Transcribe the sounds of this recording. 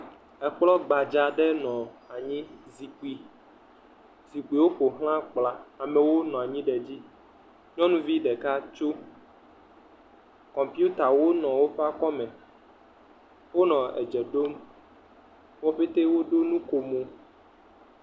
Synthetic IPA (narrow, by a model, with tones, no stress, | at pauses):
ɛ˨k͡plɔ˦ɡ͡ba˨d͡ʒa˨ɖɛ˦nɔ̃˨a˨ɲĩ˦zi˨k͡pi˨ | zi˨k͡pi˨wo˦ɸo˨ɦl̃ã˦k͡pla˨a˨mɛ̃˨wo˦nɔ̃˨a˨ɲĩ˦ɖɛ˨d͡ʑi˦ | ɲɔ̃˦nũ˦vi˦ɖɛ˨ka˦t͡ʃo˦ | kɔ˨mpi˦u˦t̪a˨wo˦nɔ̃˨wo˦ɸɛ˦a˦kɔ˦mɛ̃˨ | wo˦nɔ̃˨ɛ̰˨d͡ʒɛ˨ɖo˦m | wɔ˦ɸe˦t̪e˦wo˦ɖo˦nũ˦ko˨mo˨